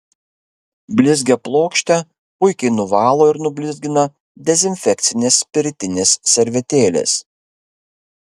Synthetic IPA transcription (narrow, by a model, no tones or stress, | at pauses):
bʲlʲɪzʲɡʲɛplˠoːkʃʲt̪ʲɛ | pʊɪkʲɛɪnʊʋɑːlˠoːɪɾnʊbʲlʲɪzʲɡʲɪnɐ | d̪ʲɛzʲɪnʲfʲɛkt̪sʲɪnʲeːspʲɪɾʲt̪ʲɪnʲeːsːʲɛɾʲʋʲɛt̪ʲeːlʲḛːs